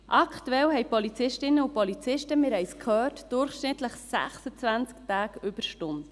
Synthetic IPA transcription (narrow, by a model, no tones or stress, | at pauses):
ʔɑkʰt̪uɛlɦɛɪpɔlit͡sɪʃtɪnːəupɔlit͡sɪʃtəmɪɾhɛjskʰhøːtd̥ʊɾχʃnɪt̪ləχsæ̰χsət͡sʋænt͡sktæːkʏb̥əɾʃtʊnd